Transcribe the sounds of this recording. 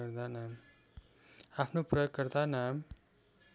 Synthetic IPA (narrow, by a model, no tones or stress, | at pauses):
ʌɾd̪anam | apʰnoprʌjoɡːʌɾd̪anam